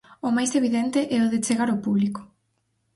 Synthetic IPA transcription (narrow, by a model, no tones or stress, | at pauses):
ʊmajseβiðɛnt̪eʔɛoðet͡ʃeɣaɾopuβliko̥